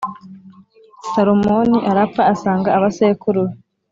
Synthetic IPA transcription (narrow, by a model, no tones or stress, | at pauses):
saɾommoniʔaɾapfaːsaːŋɡaːβasekuɾuɾi